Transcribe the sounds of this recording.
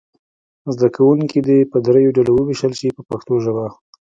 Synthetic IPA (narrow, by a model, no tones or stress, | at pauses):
zd̪akawuŋkid̪epəd̪ɾajoɖalowəwiʃəlʃipəpaxt̪oʒəba